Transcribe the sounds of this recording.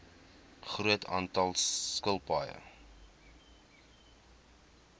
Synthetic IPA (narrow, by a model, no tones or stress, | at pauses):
χruətʰɑ̰ːntɐlˠskəlˠpɑjə̰